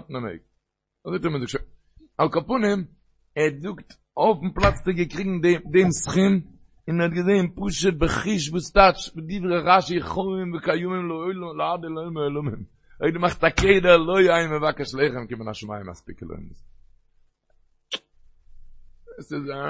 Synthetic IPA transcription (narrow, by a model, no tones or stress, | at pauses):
tnamḛɪk̚ | azoɪtɔmənzʊk̚t͡ʃʃ | alˠkapʊnɪm | ɛɾzʊkt | ofm̩plˠat͡st͡sɪɡəkʁɪɡŋ̩dɛdɛmsχɪm | ɪnhɔt̚ɡəzeɪnpuʃət̚bəχɪʃ̬vuːstat͡ʃvɪdivʁəʁaʃiχoɪmvɪkajʊmɪmlˠəɔɪlˠəmləadəlˠoɪlˠmɔɪlˠʊmɪm | eɪdmaχtakeɪdəlˠoɪaɪmɪvakəʃlˠɛɪχəmkɪmənaʃʊma̰ɪəma̰spɪkəlˠɔ̰ɪns | sɪza